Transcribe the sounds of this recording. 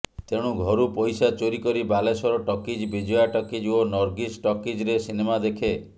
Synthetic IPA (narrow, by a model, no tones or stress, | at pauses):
t̪eɽ̃uɡʱɔɾupojsat͡ʃoɾikɔɾibalesɔɾɔʈɔkid͡ʒbid͡ʒojaʈɔkid͡ʒonɔɾɡisʈɔkid͡ʒɾesinemad̪ekʰe